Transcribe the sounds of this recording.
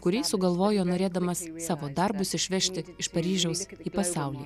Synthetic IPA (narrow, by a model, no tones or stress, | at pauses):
kʊɾʲiːsʊɡɐlˠʋoːjoːnoːɾʲeːd̪ɐmɐsːɑːʋoːd̪ɐɾbʊsɪʃʲʋʲɛʃʲt̪ʲɪɪʃpɐɾʲiːʒʲɛʊsiːpɐsɑˑʊlʲiː